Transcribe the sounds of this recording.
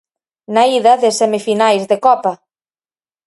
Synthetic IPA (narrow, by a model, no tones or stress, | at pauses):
naiðɐðɪsemifinajzðekɔpɐ